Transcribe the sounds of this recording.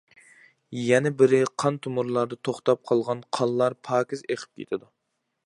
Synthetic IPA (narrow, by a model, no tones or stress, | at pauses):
jɛnɛbɪɾɪqʰɑnt̪ʰumʊɾlˠɑɾd̪ɨt̪ʰoχt̪ɑp̚qʰɑlˠʁɑnqʰɑlˠlːˠɑɾpʰɑːkʲizeqʰɪ̥p̚kʲʰḛt̪ʰɪd̪u